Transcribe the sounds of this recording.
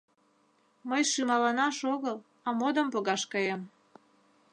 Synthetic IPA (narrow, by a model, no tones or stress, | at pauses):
məjʃymɑlɑnɑʃoɣəl | ɑmod̪əmpoɣɑʃkɑjem